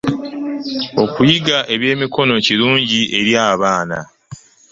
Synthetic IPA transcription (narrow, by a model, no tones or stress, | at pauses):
o̞kujiɡaʔe̞βje̞ːmiko̞no̞ciɾuːɲɟiʔe̞ɾjaːβaːna̰